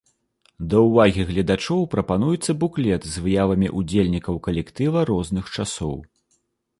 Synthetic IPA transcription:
d̪ɐwvaɣʲiɣlʲɐd̪at͡ʂɔwpɾɐpanujɛt̪sːɐbuklʲɛt̪zvɨjavɐmʲḭʔud͡zʲelʲnʲikɐwkɐlʲɛkt̪ɨvɐɾɔznɨxt͡ʂasɔ̰w

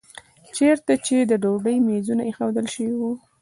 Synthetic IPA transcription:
t͡ʃeɾt̪at͡ʃed̪əɖobəjmezunaexawd̪əlʃəwiwu

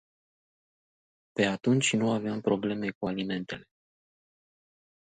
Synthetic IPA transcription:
pe̞at̪unt͡ʃʲnuaveampɾo̞ble̞me̞kualime̞nt̪e̞le̞̥

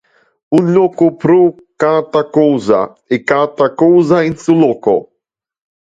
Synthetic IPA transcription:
uʎokʊpɾo | kat̪akowza̰ | ɪkat̪akowzaẽnsuloko̰

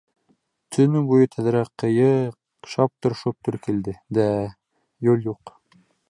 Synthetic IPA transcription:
t̪ʰɵ̆nɘbujɤt̪ʰæð̆ɾæqːɤ̆jɤq | ʃɑp̚t̪ŏɾʃop̚t̪ɵɾkild̪ɘd̪æ | jʉlˠjuq

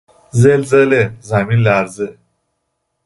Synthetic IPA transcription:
d͡zeld͡zəlezamilːaɾd͡zə

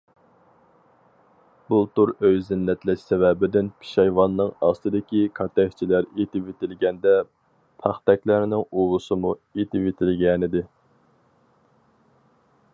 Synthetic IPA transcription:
bult̪uɾøjzɪnːɛt̪lɛʃsɛvɛbɪd̪ɪnpʰi̥ʃɑjvɑnːɨŋɑst̪ɨd̪ɪkʲikʰɑt̪ɛkʲt͡ʃʰilæɾet̪ɪpvet̪ʰɪlɡʲɛnd̪ɛ | pʰɑχt̪ɛkʲlæɾnɪŋuwʊsɨmuet̪ɪpvet̪ʰɪlɡʲɛnɪd̪ɪ

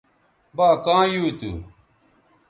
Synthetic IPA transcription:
baːkãːjuːt̪ṵ

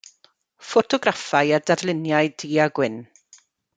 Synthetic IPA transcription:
fɔtʰɔɡrafaɨadadlˠɪnjaɨdiːaɡwɪn

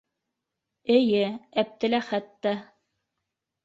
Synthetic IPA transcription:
ɘ̆jɘæp̚t̪ɘ̆læχæt̪ːæ

